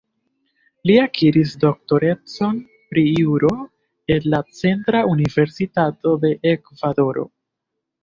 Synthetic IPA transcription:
liakʰiɾisdo̞k̚to̞ɾe̞t͡so̞n | pɾiuɾo̞ | e̞nːat͡se̞ntɾaunive̞ɾsitato̞de̞ʔekvado̞ɾo̞̰

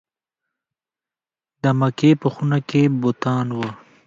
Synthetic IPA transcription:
d̪əmakepəxunakebʊt̪ɑːnwə

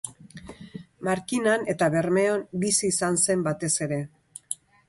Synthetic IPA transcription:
maɾkinane̞t̪aβe̞ɾme̞onbisiːsanse̞mbat̪e̞se̞ɾe̞

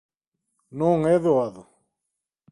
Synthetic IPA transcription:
noːŋeðoaðo

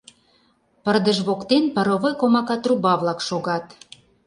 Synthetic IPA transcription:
pərd̪əʒβokt̪enpəɾoβojkomɑkɑt̪rubɑβlɑkʃoɣɑt̪

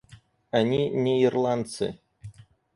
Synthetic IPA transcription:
anʲinʲeirlˠɑnt̪sɨ̰

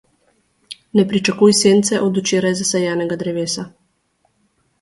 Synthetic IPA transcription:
nɛpɾit͡ʃakuːjseːnt̪sɛʔɔd̪ut͡ʃeːɾajzasɛjaːnɛɡad̪ɾɛʋeːsa

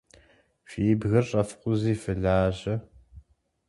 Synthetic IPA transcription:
ɕiːbɣɐrɕʼɐfqʷʊziːfɨɮaːʑɐ

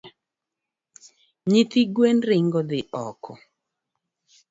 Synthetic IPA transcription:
ɲit̪iɡwenɾɪŋɡɔd̪ɪʔɔkʰɔ

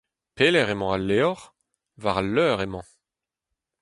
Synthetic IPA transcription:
peːlɛʁemɑ̃alːeɔʁ | vaʁalːœːʁemɑ̃

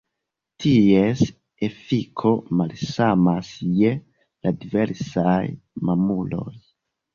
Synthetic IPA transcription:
tʰies | e̞fikʰo̞malsamasje | ladive̞ɾsajmamulo̞̰j

